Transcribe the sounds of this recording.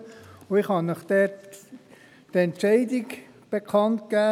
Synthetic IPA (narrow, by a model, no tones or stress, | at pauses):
ʊɪχhɑnəχd̥ɛt | tɛntʃɛɪdɪɡ | b̥ekʰɑntkæː